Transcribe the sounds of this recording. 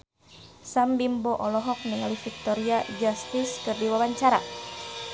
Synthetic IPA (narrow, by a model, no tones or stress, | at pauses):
sambimbɔʔɔlɔɦɔk̚nialifik̚t̪ɔɾiad͡ʒast̪iskɨrdiwawaɲt͡ʃaɾa̰